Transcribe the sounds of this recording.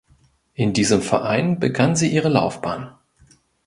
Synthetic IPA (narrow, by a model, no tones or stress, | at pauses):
ʔɪndiːzəmfɛ̰ɐʔaɪnbəɡanziːʔiːʁəla̰ʊfb̥aːn